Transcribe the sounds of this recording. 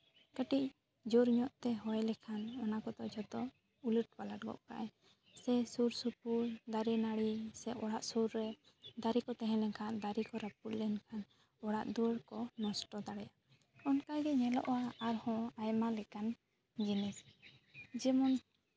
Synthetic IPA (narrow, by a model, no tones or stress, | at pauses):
kəʈic̚ | d͡ʒuɾɲɔʔt̪ɛɦɔjlɛkʰanɔnakɔd̪ɔʔd͡ʒɔt̪ɔ | uləʈ̚palaʈ̚ɡɔ̰ʔka̰ʔɛ | sɛsuɾsup̚uld̪aɾɛnaɽisɛɔɽaʔsuɾːɛ | d̪aɾikɔt̪ɛɦɛ̃lɛkʰand̪aɾikɔɾap̚ullɛnkʰan | ɔɽaʔd̪uəɽkɔnɔsʈɔd̪aɽɛja | ɔnkajɡɛɲɛlɔ̰ʔwaaɾhɔ̃ajmalɛkan | d͡ʒinis | d͡ʒɛmɔn